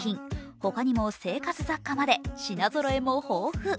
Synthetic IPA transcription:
ĩŋho̞kaɲ̟imo̞se̞ːkat͡sɨzakːamad̪e̞ɕinazoɾo̞e̞mohoːɸɯ̟

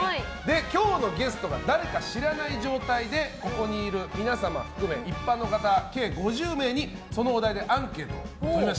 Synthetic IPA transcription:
aid̪e̞kʲo̞ːno̞ɡe̞sɨ̥t̪o̞ɡa̰d̪aɾe̞kaɕiɾanaiʑo̞ːt̪aid̪e̞ko̞ko̞ɲ̟iːɾɯ̟mʲinasama̰ɸɯ̥kɯ̟me̞ipːanːo̞kat̪ake̞ːɡo̞ʑɨːme̞ːɲ̟i | so̞no̞ːd̪aid̪e̞ʔãŋke̞ːt̪o̞̰ima

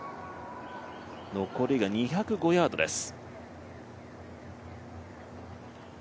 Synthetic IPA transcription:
no̞ko̞ɾiɡaɲ̟içakɯ̟ɡo̞jaːd̪o̞d̪e̞sɨ̥

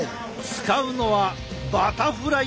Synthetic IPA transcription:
t͡sɨ̥kaɯ̟no̞βa | bat̪aɸɯɾa

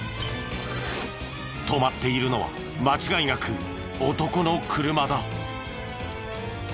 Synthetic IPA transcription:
t̪o̞mat̪ːe̞iɾɯ̟no̞βa̰ | mat͡ɕiɡaiŋakʰɯ | ot̪o̞ko̞no̞kʰɯɾɯ̟mad̪ao

